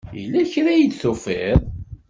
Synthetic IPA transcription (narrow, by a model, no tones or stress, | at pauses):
jḭlːæçɾæjid̪θufeðˤ